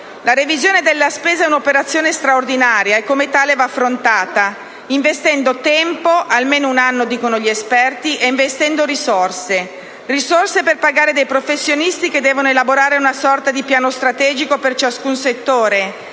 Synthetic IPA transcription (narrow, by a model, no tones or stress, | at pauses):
laɾevizjoːned̪elːaspeːzaɛunopeɾat̪sːjoːnest̪ɾaord̪inaːɾjaɛkːomet̪aːlevaːfːɾont̪aːt̪a | iɱvest̪ɛnd̪ot̪ɛmpoʔalmeːnounanːod̪iːkonoʎiespɛrt̪iʔeiɱvest̪ɛnd̪oɾisorse | risorseperpaɡaːɾed̪ejpɾofesːjonist̪iked̪ːɛːvonoelaboɾaːɾeunasɔrt̪ad̪ipjaːnost̪ɾat̪ɛːd͡ʒikopert͡ʃaskunset̪ːoːɾe